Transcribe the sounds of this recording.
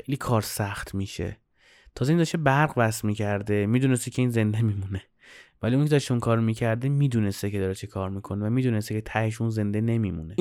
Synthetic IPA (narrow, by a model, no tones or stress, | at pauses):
xejliːkʰɒːɾsæxt̪miʃe̞̰ | t̪ʰɒːzeind̪ɔʃebæɾʁbæsmiːcʰæɾd̪emiːd̪unest̪ecʰe̞iːnze̞nd̪e̞miːmune̞ | væliunikʰed̪æeʃunkʰɒːɾmiːcʰæɾd̪emiːd̪unest̪ecʰeɒːɾet͡ʃʰekʰɒːɾmiːkʰo̞nevæmiːd̪uːnest̪ecʰet̪ʰæheʃ̬unze̞nd̪ene̞mimṵne